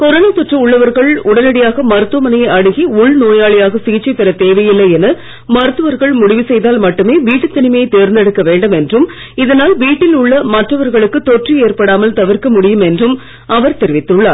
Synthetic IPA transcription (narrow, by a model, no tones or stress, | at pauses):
kɔɾɐnɐt̪ɔʈrɐʊɭːɐʋɐɾɣɐɭʊɽɐnɐɽɪjaːɣɐmɐɾɯt̪ːʋɐmɐnɐjɐɪɐɽɯɣiʊɭnoːjaːɭɪjaːɣɐsɪɣɪt͡ʃːɐɪpːɛɾɐt̪eːʋɐjɪlːɐjɛnɐ | mɐɾɯt̪ːɯʋɐɾɣɐɭmʊɽɪʋisɛjðaːlmɐʈːɯmeːʋiːʈːɯt̪ːɐnɪmɐjɐɪt̪eːɾnd̪ɛɽɯkːɐʋeːɳɖɐmɛndrɯm | ɪðɐnaːlʋiːʈːɪlʊɭːɐmɐʈrɐʋɐɾɣɐɭɯkːɯt̪ɔʈrieːrpɐɽaːmɐlt̪ɐʋɐɾkɐmʊɽɪjɯmɛndrɯm | ɐʋɐɾt̪ɛɾɪʋɪt̪ːɯɭːaːɾ